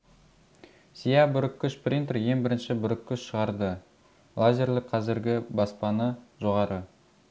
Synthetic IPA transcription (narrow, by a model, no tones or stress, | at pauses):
sʲijabʊɾɪkʲːʏʃprʲint̪rje̞ŋbɪɾɪnʃɪbʊɾɪkʲːʏʃʃəʁɑɾd̪ə | lˠazʲeɾlˠɪkqʰɑzɪɾɡʲɪbɑspɑnəʒo̞ʁɑɾʔə